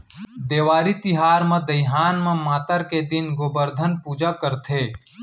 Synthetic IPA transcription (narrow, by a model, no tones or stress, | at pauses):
d̪eːwaːɾit̪ɪɦaːɾmẽd̪əɪɦaːnmẽmaːt̪əɾked̪ɪnɡobəɾd̪ʱənpuːd͡ʒakəɾt̪ʰeː